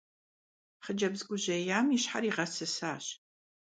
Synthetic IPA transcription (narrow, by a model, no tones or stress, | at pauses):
χəd͡ʒɐbzɡʷʊʑɐjaːmiɕħariːʁɐsɨsaːɕ